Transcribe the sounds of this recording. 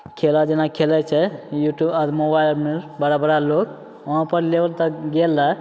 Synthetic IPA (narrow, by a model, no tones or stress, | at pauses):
kʰelad͡ʒenakʰelɛt͡ʃʰɛjuʈjubat̪mobajlmeɾbəɾabəɾalok | əɦãpəɾlebəlt̪əɡelːa